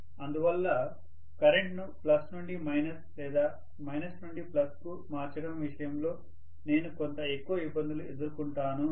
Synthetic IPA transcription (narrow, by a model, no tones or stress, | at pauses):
ɐnd̪uʋɐlːɐ | kɐɾeɳʈnuplɐsnuɳɖimɐjnɐslɛːd̪aː | mɐjnɐsnuɳɖiplɐsku | maːɾt͡ʃɐɽɐmʋiʂɐjɐmlo̞ː | ne̞ːnuko̞nt̪ɐe̞kːuʋɐibːɐnd̪ulued̪uɾukuɳʈaːnu